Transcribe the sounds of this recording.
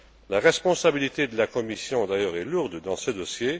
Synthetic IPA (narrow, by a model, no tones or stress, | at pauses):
laʁɛspɔ̃sabilit̪ed̪əlakɔmisjɔ̃d̪ajœʁɛluʁd̪d̪ɑ̃səd̪ɔsje